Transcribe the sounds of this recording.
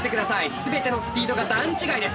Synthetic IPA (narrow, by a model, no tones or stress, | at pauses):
t̪e̞kɯd̪asaisɨbe̞t̪e̞no̞sɨ̥pʲiːd̪o̞ɡad̪ãɲt͡ɕiɡaid̪e̞s